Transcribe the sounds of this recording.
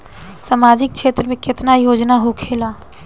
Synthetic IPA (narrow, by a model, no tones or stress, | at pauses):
samaːd͡ʒɪk̚t͡ʃʰeːt̪ɾəmẽkɪt̪najoːd͡ʒnaɦokʰeːla